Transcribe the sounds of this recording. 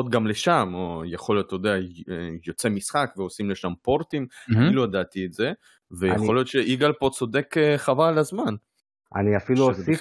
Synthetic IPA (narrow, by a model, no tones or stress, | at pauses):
ot̪ɡamleʃamojeχo̞lijot̪ːojod̪eaejo̞t͡se̞misχakveo̞simleʃampo̞ʁt̪imfiluad̪at̪ietze | vejaχolijo̞t̪ʃeʔiɡalpo̞t͡so̞d̪e̞keχavalazman | ʔa̰niafilusi